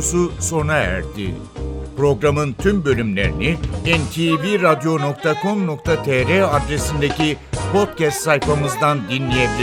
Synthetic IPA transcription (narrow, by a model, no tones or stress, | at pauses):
suso̞naæ̰ɾd̪ḭ | pɾo̞ɡɾamɯnt̪ʰymbø̞lʲymlʲe̞̰ɾḭniɛnt̪ʰiviɾad̪jo̞no̞k̚t̪ʰakʰo̞mno̞k̚t̪ʰat̪ʰeɾead̪ɾe̞sind̪e̞cipʰo̞t̪̚cɛst̪sajfamɯzd̪and̪inlʲije̞bilʲi